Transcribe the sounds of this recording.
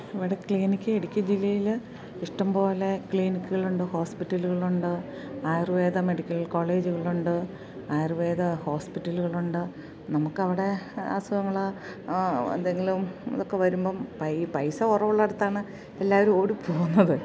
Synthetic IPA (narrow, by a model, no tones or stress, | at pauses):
iʋiɽekɭiːnikʲːɨeɽikʲːɐd͡ʑilːɐjil | iʂʈɐmpo̞ːle̞kɭiːnikʲːuɣɐɭuɳɖɨho̞ːspitːɐluɣɐɭuɳɖɨ | aːjrɨʋeːðɐme̞ɽikʲːɐlko̞ːɭe̞ːd͡ʑuɣɐɭuɳɖɨ | aːjrɨʋe̞ːðɐho̞ːspitːɐluɣɐɭuɳɖɨ | nɐmukːɐʋiɽe̞a̰ːsɐjɐŋːɐɭɐ | ɐ̰nd̪eŋɡilumḭðokːe̞ʋɐɾumbo̞ːpɐpɐjsɐurɐʋuɭːɐeɽut̪ːaːɳɨ | e̞lːaːʋɐɾumo̞ːɽipʰo̞ːɣunːɐðɨ